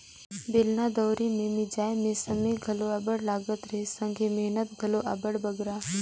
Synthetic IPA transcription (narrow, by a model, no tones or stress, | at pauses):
belnad̪ɔːɾimẽmɪd͡ʒaːemẽsəmeɡʱɐloɐbəɽlaːɡət̪ɾesə̃ŋɡʱemeɦnət̪ɡʱɐloʔɐbəɽbəɡɾaː